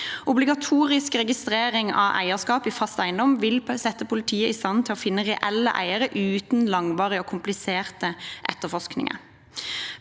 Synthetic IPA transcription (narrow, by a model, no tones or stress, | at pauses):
ʊblɪɡɑt̪ʰuːʁɪskʁɛɡɪst̪ʁeːɾɪŋɑ̰ʋʔæ̰ɪəskɑːpiːfɑst̪æɪnd̪ɔmʋɪlsɛt̪ːəpʰʊlɪt̪ʰiːəɪst̪ɑnt̪ʰɪloːfɪnːəʁɛʔɛlːə̰ʔæ̰ɪəɾəʔʉːt̪nlɑŋʋɑːʁɪəoːkʰʊmplɪseːʁt̪əʔɛ̰t̪ːəfɔʂknɪ̰ŋə̰